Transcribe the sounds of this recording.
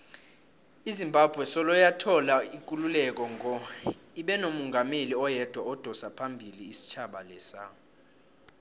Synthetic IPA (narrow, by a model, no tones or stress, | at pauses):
izimbʱab̥ʱwɛsɔlɔjatʰɔlaiŋkʼululɛk̬ɔŋɔiɓɛnomuŋʱameliɔjɛd̥ʱwaɔd̥ʱɔsapʰambʱiliːsi̥t͡ʃʰaɓalɛːsa̰